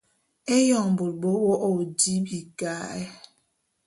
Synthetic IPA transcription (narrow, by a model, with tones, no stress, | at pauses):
e˦jɔ˨ŋ˨bo˨l̚bo˦wɔ˦ʔo˨di˦bi˨ka˦ɛ˦